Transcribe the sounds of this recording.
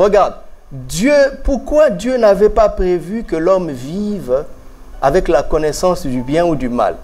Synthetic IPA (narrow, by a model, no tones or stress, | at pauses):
ʁəɡaʁd̪ | d̪jøpuʁkwad̪jønavɛpapχevykəlɔmviv | avɛklakɔnɛsɑ̃sd̪ybjɛ̃ud̪yma̰l